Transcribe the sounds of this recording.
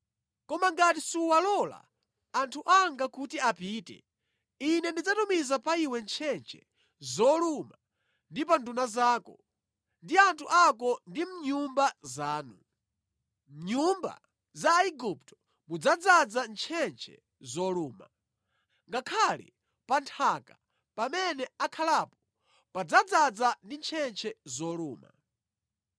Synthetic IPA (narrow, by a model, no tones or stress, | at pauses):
kɔmaŋɡatisuwalɔla̰ | antʰuʔaŋɡakutiapiːtɛ̰ | inɛndid͡zatumizapaiwɛnt͡ʃʰɛnt͡ʃʰɛ̰ | zɔluma | ndip̬andunazaːkɔ̰ | ndiantʰuʔak̬ɔndim̩ɲumbazaːnu | mɲumba̰ | zaiɡup̚tɔ̥ | mud͡zad͡zad͡zant͡ʃʰɛnt͡ʃʰɛ̰ | zɔluːma̰ | ŋɡakʰalḭ | pantʰaka | pamɛnɛakʰalapɔ̥ | pad͡zad͡zad͡zandint͡ʃʰɛnt͡ʃʰɛzɔluːma̰